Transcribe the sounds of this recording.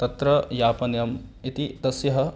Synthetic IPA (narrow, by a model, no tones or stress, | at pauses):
t̪ɐt̪ɾɐjaːpɐnjɐmit̪it̪ɐsjɐɦɐ